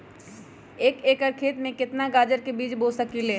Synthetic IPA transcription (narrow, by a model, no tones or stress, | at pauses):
eːkeːkəɾkʰeːt̪mẽkɪt̪naɡaːd͡ʒəɾkebiːt͡ʃboːsəkileː